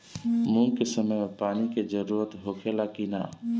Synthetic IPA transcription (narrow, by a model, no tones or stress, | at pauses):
mũkesəməjmepaːniked͡ʒəɾuːɾət̪ɦokʰelakina̰ː